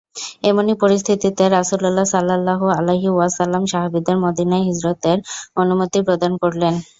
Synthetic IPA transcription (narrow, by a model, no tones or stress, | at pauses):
emonipoɾist̪ʰit̪it̪eɾasululːasalːalːaɦoaleɦiwasalːamʃaɦabid̪eɾmod̪inaeɦid͡ʑɾot̪eɾonumot̪ipɾod̪ankoɾlen